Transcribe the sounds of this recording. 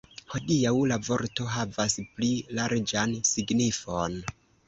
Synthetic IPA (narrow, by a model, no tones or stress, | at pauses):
hodiawlavo̞ɾto̞ɦavasplilaɾd͡ʒansiɡnifon